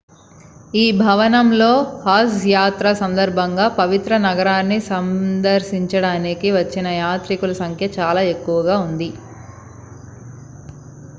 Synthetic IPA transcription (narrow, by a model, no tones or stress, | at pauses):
iːbʱɐʋɐnɐmlo̞ːhaːsjaːt̪ɾasɐnd̪ɐɾbʱɐŋɡaːpɐʋit̪ɾɐnɐɡɐɾaːnːisɐnd̪ɐɾʃiɲt͡ʃɐɽaːnikiʋɐt͡ʃːinɐjaːt̪ɾikulɐsɐŋkʰjɐt͡ʃaːlaːe̞kːuʋɐɡaːund̪i